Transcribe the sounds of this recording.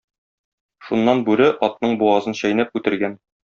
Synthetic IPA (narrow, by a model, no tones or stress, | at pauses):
ʃunːɑnbʉɾɘʔɒt̪̚nɤɴbuɑzɤnɕɒjnæp̚kʉt̪ɘ̆ɾɡæn